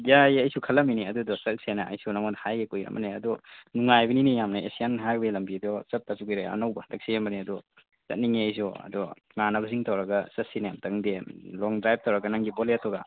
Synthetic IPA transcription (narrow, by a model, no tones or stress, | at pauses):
jajɐjsukʰɐlːɐminiɐdudɔsɐt̚senɐɐ̰jsunɐmɔdhajɡekujɾɐ̰mbɐ̰neɐ̰dɔnuŋajbɐninijamnɐesianɦabelɐmbidɔsɐt̚tasuɡijɾeɐ̰nɐwbɐtɐk̚sijambɐneɐdɔ | sɐ̰t̚niŋiɐjs̬uɐ̰dɔ | ŋanɐbɐziŋtɐwɾɐɡɐsɐsinemtɐŋdelɔŋdɾajb̚tʰɐwɾɐɡɐnaŋɡibɔletɔɡa̰